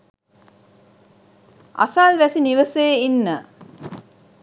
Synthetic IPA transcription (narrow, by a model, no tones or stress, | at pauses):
a̰salʋæsiniʋəseːinːə